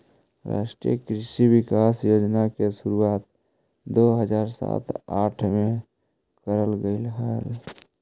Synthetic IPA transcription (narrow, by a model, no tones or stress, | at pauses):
ɾa̰ʃʈɾijə̰kɾɪʃibɪkasjoːd͡ʒnakesuɾuaːt̪̚ | d̪oɦəd͡ʒaːɾsa̰t̪aʈʰme | kəɾəlɡəɪlɦal